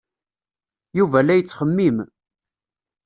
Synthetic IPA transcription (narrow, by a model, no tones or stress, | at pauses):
juvælːæjət͡sːχəmːim